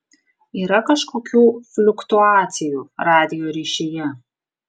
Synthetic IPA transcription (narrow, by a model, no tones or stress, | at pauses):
iːɾɐkɐʃkoːkʲuːflʲʊkt̪uɑːt̪sʲɪjuːɾɑːd̪ʲɪjoːɾʲiːʃʲeːjɛ